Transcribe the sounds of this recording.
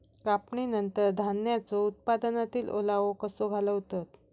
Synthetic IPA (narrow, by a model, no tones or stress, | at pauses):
kapɳinənt̪əɾd̪ʱanjat͡sɔut̪̚pad̪ənat̪iːlʔo̰laʋokəsoɡʱaləʋt̪ət̪